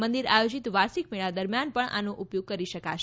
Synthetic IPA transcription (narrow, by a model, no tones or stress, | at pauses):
mənd̪iɾajod͡ʒit̪ʋasik̚meɭ̃ad̪əɾmjanpəɳa̰noʔupjoɡ̚kəɾiʃəkaʃ